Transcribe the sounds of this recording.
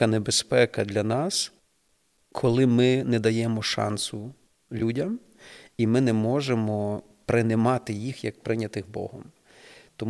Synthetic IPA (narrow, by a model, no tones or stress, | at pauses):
ɐnebespɛkɐd̪lʲɐnɑs | kʰɔlˠɪmɪnɛd̪ɐjɛmɔʃɑ̰nsʊ | lʲudʲɐm | imɪnɛmɔʒemɔ | pɾɪnɪmɑt̪ɪjixjɐk̚pɾɪnʲɐt̪ɪxbɔ̰ɦɔ̰m | t̪ɔm